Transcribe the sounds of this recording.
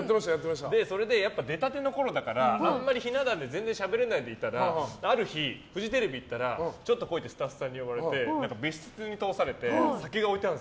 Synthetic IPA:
jt̪ːemaɕt̪ajat̪ːemaɕt̪ad̪e̞so̞ɾe̞d̪e̞japːad̪e̞t̪at̪e̞no̞ko̞ɾo̞d̪akaɾaamːaɾʲiçinad̪ãnd̪e̞zẽ̞nd͡zẽɕabe̞ɾe̞naid̪e̞it̪aɾaaɾɯ̟çiɸɯ̟ʑit̪e̞ɾe̞bʲiːt̪ːaɾat͡ɕo̞t̪ːo̞ko̞it̪e̞sɨ̥t̪aɸɯ̥sãɲ̟ːijo̞βaɾett̪e̞nãŋkabe̞si̥t͡sɨ̥t͡sɨɲ̟it̪o̞ːsaɾe̞t̪e̞sakʲiɡao̞it̪eãn

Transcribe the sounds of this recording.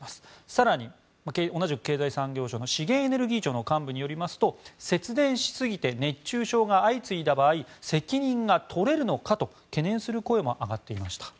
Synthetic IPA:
asɨ̥saɾaɲ̟i | makeo̞naʑikɯ̥ke̞ːzaisãŋɡʲo̞ːɕo̞no̞ɕiɡẽ̞ɰ̃e̞ne̞ɾɯ̟ɡʲiːt͡ɕo̞ːno̞kãmbɯ̟ɲ̟ijo̞ɾʲimasɨ̥t̪o̞se̞t͡sɨd̪ẽ̞ɰ̃ɕi̥sɨɡʲit̪e̞ne̞t͡ɕɕɨːɕo̞ːɡaːit͡sɨid̪abaːise̞kʲiɲ̟ĩŋɡat̪ʰo̞ɾe̞ɾɯ̟no̞kat̪o̞ | ke̞nẽ̞ɰ̃sɨɾɯ̟ko̞e̞mo̞ʔaɡat̪ːe̞imaɕi̥t̪ḁ

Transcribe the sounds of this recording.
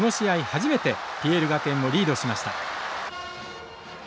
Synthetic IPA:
no̞ɕiaihaʑime̞t̪e̞pʲie̞ɾɯ̟ɡakɯẽ̞mːo̞ɾʲiːd̪o̞ɕimaɕi̥t̪a̰

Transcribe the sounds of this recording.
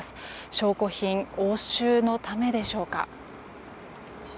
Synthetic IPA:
sɨ̥ | ɕo̞ːko̞çĩŋo̞ːɕɨːno̞t̪ame̞d̪e̞ɕo̞ːka̰

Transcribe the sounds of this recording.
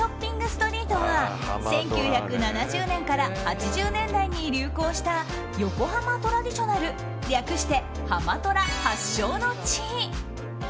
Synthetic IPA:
o̞pːĩŋɡɯ̟sɨ̥t̪o̞ɾʲiːt̪o̞βa | sẽ̞ŋkʲɨːçakɯ̟nanaʑɨːnẽ̞ŋkaɾahat͡ɕiʑɨːnẽ̞nd̪aiɲ̟iɾʲɨːko̞ːɕi̥t̪a | jo̞ko̞ɦamat̪o̞ɾad̪ʲiɕo̞naɾɯ̟ | ɾʲakɯ̟ɕi̥t̪e̞ | hamat̪o̞ɾahaɕːo̞ːno̞t͡ɕi

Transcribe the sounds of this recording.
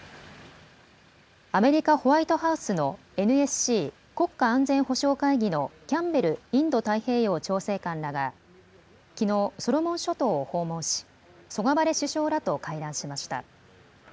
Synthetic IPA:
ame̞ɾʲikaho̞βait̪o̞haɯ̟sɨno̞ | e̞nɯ̟e̞sɨ̥ɕiː | ko̞kːaãnzẽɰ̃ho̞ɕo̞ːkaiɡʲino̞kʲãmbe̞ɾɯ̟ĩnd̪o̞t̪aihe̞ːjo̞ːt͡ɕo̞ːse̞ːkãnɾaɡa | kʲino̞ːso̞ɾo̞mõ̞ɰ̃ɕo̞t̪o̞ːoho̞ːmõ̞ɰ̃ɕi̥ | so̞ɡabaɾe̞ɕɨɕo̞ːɾat̪o̞kaiɾãɰ̃ɕimaɕi̥t̪a̰

